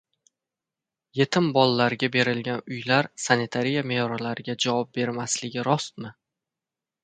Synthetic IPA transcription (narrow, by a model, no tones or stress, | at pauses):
je̞t̪ʰɪmbɒlːaɾɡʲabe̞ɾɪlɡʲanʊjlaɾsanɪt̪ʰaɾijame̞jɒɾalaɾɪɡʲad͡ʒavɒp̚be̞ɾmaslɪɡʲɪɾɒst̪̚mɪ